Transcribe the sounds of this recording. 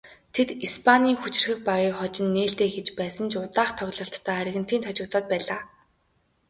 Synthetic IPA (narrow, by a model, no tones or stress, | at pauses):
t̪ʰet̪ispʰaniːŋxut͡ɕɪ̆rxɘ̆k̚paɣiːχɔt͡ɕɪ̆nːeːɬt̪eːxet͡ɕpæːsə̆nt͡ɕʊt̪aːχt̪ʰɔɣʲɮɞ̆ɬt̪ːʰœːaɾʲɪ̆ɣɘ̆n̥t̪iːnt̪ʰɔt͡ɕɪ̆kt̪ʰɔːt̪̚pæːɮaː